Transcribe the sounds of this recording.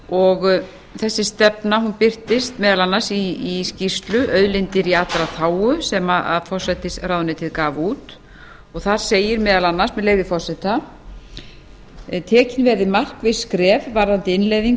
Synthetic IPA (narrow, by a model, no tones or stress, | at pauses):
ɔɣ | θɛsːɪst̪ɛpnaɦunpɪr̥t̪ɪst̪mɛːðalanːasiːscist̪lʏʔœɥðlɪnt̪ɪɾiat̪ɾaθaːwʏsɛmaaðfɔr̥sɛt̪ɪsraːwðʏnɪt̪ʰɪðkaːvuːt̪ | ɔɣθaɾ̥seːjɪɾmɛːðalanːḁsmɛðleːɣðɪfɔr̥sɛt̪a | t̪ʰɛːcɪnvɛɾðɪmar̥kvɪskɾɛːvvaɾðant̪ɪɪnleːjðiŋ